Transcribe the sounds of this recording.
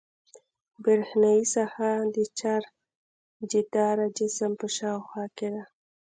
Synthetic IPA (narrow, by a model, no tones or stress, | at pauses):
bəɾhnaisahad̪ət͡ʃaɾ | d͡ʒid̪ɑɾad͡ʒɪsəmpəʃɑwxwɑked̪a